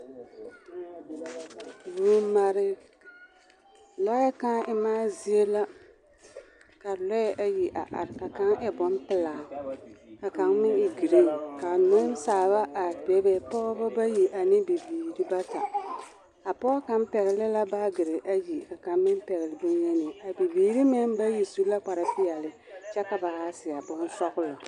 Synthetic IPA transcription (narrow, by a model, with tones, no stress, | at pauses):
vu˨˦ma˨ɾɪ˨ | lɔ˦ɛ˦ka˦ʔɪ˦maː˦zi˦e˦la˦ | ka˨lɔ˦ɛ˦ʔa˨ji˨ʔa̰˨ʔa̰˨ɾka˨ka˦ŋʔɛ˦bɔ˨˦n˦pɪ˨laː˨ | ka˨ka˨ŋmɪ˦ɪ˨ɡi˨ɾe˦ka˨nʊ˦n˦saː˨βa˦ʔa˨bɛ˨bɛ˨pɔː˦ba˦ba˦ji˨ʔa˨nɪ˦bi˨biː˨ɾi˦ba˦ta˨ | a˨pɔː˦ka˦mpɛ˨ɣɪ˨lɪ˦la˦ba˦ɡɪ˨ɾɪ˨ʔa˦ji˨ka˨ka˨mɪ˦npɛ˨ɣɪ˨lɪ˨bʊ˦njɛ˦nɪ˨a˨bi˨biː˨ɾi˦mɪ˦n˦ba˦ji˨su˦la˦k͡pa˨ɾa˨pɪ˦ɛ˨lɪ˨ | t͡ʃɛ˦ka˨ba˨ha˦sɪ˨a˨bʊ˦nsɔ˦ɣʊ˦la˨